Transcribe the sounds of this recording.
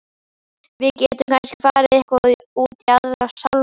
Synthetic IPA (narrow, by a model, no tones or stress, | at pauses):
vɪðcɛːt̪ʏmkʰanscɪfaːɾɪðɛhkvai | uːt̪jaðɾasal